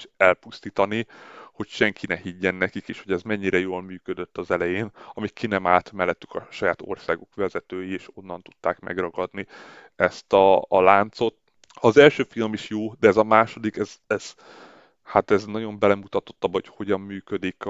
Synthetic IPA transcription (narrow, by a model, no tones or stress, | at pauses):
ʃɛlpust̪iːt̪ɒniho̞cʃɛŋkinɛhiɟːɛnːɛkikeːʃho̞ɟɛzmɛɲːiɾɛjoːlmyːkød̪øt̪ːɒzɛlɛjeːnɒmikinɛmaːlt̪mɛlːɛt̪ːy̥kɒʃɒjaːt̪o̞̰rsaːɡokʋɛzɛt̪øːjieːʃo̞nːɒn̪t̪u̥t̪ːaːkmɛ̰ɡrɒɡɒd̪ni | ɛst̪ɒːlaːnt̪so̞t̪ | ɒːzɛlʃøːfilmiʃjoːd̪ɛːzɒmaːʃo̞d̪ikɛzɛz̥ | hat̪ɛznɒɟo̞mbɛlɛmut̪ɒt̪o̞t̪ːɒbːocho̞ɟɒmːyːkød̪ik